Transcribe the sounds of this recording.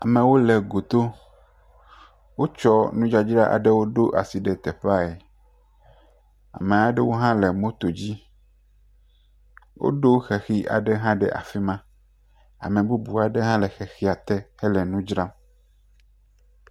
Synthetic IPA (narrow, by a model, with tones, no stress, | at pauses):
a˨me˨wo˦le˨ɡo˨t̪o˦ | wo˦t͡ʃɔ˦nũ˦d͡ʒa˦d͡ʒɾa˦ʔa̰˨ɖe˦wo˦ɖo˦ʔa̰˨si˨ɖe˨t̪ɛ˨ɸa˦e˨ | a̰˨mẽ˨a˨ɖe˦wo˦ɦã˦le˨mõ˦t̪o˨d͡ʑi˦ | wʔo̰˦ɖo˦xɛ˨xi˦ʔa̰˨ɖɛ˦ɦã˦ɖɛ̰˦˨ʔa̰˨fi˦mã˦ | a̰˨mẽ˨bu˦bu˨a˨ɖe˦ɦã˦lɛ˨xɛ˨xi˦a˨t̪ɛ˦hɛ˦lɛ˨nũ˦d͡ʒɾa˦m